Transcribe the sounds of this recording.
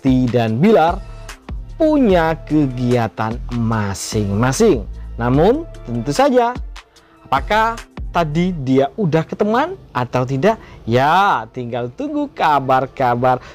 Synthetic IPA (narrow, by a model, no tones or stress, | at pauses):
t̪idanbilar | puɲakəɡiat̪anmasɪŋmasɪŋnamʊnt̪ənt̪usad͡ʒaː | pakaht̪adidiaʔudahkət̪əmanʔat̪awt̪̬idaʔjat̪iŋɡalt̪uŋɡukabarkabar